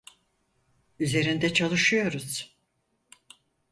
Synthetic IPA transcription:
yze̞ɾind̪ɛt͡ʃʰalˠɯʃɯjo̞ɾuz̥

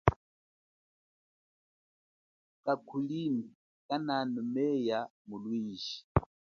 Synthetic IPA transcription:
kʼakʰulini | kʼananɔmɛjamulwiːʃi̥

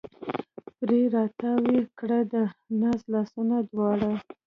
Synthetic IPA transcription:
pɾeɾɑt̪awekɽəd̪ənɑslɑsunad̪wɑɽa

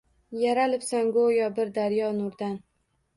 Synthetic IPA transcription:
jaɾalɪpsaŋɡojɒbɪɾd̪aɾjɒnʊɾd̪an

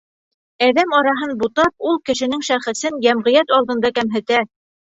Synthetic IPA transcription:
æðæmɑɾɑɦɤnbut̪ɑp̚ulˠkɘ̆ʃɘ̆nɘŋʃæχɘ̆sɘnjæmʁɤ̆jæt̪ɑlˠd̪ɤ̆nd̪ɑkæmɦɘ̆t̪æ

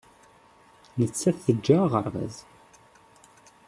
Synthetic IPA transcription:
nət͡sːæθəd͡ʒːaʁə̰ɾˤvæ̰z

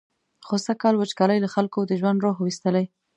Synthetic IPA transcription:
xosakɑlwət͡ʃkɑlajlaxalkod̪əʒwand̪ɾoɦwist̪əlaj

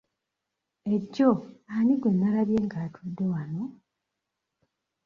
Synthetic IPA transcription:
e̞ɟːoaniɡwe̞nːalaβje̞ːŋɡaːtʰudːe̞wano̞

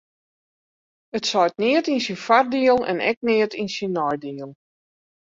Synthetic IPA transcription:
ətsɔjtnɪətinsinfardiəlˠɛ̰nɛ̰k̚nɪətinsinːɔjdiəlˠ

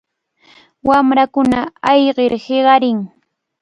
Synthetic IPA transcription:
wamɾakʊnaɑjɢeɾheɢɑɾɪŋ

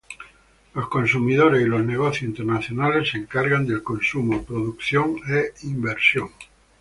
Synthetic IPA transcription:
lo̞skonsumiðoɾe̞silo̞zneɣ̞oθjosint̪eɾnaθjonalese̞ŋkaɾɣand̪e̞lko̞nsumopɾoðukθjoŋeimbeɾsjoŋ

